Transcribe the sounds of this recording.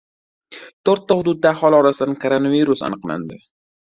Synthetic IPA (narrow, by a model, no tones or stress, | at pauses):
t̪ʰoɾt̪ːahʊd̪ʊd̪̚ːaːhɒlˠɒɾasɪd̪ankʰoɾonaviɾʊsa̰nɨqla̰nd̪ɪ